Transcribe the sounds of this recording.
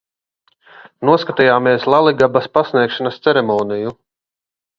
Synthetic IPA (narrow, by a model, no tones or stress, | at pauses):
nuɔskat̪ijaːmiɛslˠalˠiɡabaspasniɛkʃanɐst̪sɛɾɛmɔːniju